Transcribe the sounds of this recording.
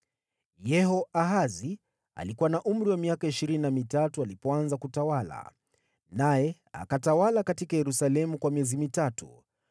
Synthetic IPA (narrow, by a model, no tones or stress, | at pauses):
jɛhɔʔaɦazi | a̰likuwanaʔum̩ɾiwamiakaiʃiɾininamitatualipɔanzakutawala̰ | najɛ | a̰katawalakatikajɛɾusalɛmukwamiɛzimitatṵ